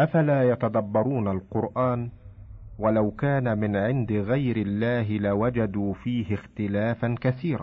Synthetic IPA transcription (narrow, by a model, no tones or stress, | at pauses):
ʔafalaːjat̪ad̪ɑbːɑɾˤuːnalqʊɾʔaːn | walawkaːnamɪnʕɪnd̪ɪɣajɾɪlːaːɦɪlawad͡ʒad̪uːfiːhɪxt̪ɪlaːfankaθiːɾa̰ː